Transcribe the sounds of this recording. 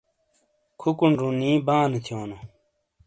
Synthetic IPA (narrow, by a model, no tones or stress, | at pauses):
kʰukunɾuniːbãːnet̪ʰijoːno